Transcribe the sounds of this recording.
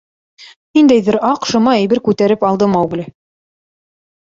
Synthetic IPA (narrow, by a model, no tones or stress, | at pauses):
nind̪æjðɘɾɑqʃŏmɑæjbɘɾkʉt̪æɾɘpɑlˠd̪ɤmɑwɡlʲɘ